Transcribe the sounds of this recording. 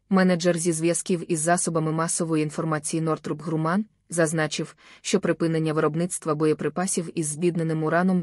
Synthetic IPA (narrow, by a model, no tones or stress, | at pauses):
mɛnɐd͡ʒɛrzʲizʋjɐskʲiwizːɑsɔbɐmɪmɑsɔʋɔjiinfɔrmɑt͡sʲijinɔrt̪ɾupɦɾʊmɑn | zɐznɑt͡ʃɪwʃt͡ʃɔpɾɪpɪnenʲːɐʋɪɾɔbnɪt̪st̪ʋɐbɔjɔpɾɪpɑsʲiwizbʲid̪nenɪmʊɾɑnɔm